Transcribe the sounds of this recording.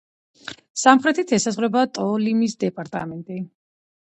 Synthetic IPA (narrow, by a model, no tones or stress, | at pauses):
samχɾɛt̪ʰit̪ʰɛsazʁvɾɛbat̪ʼɔlimisd̪ɛpʼaɾt̪ʼa̰mɛnt̪ʼi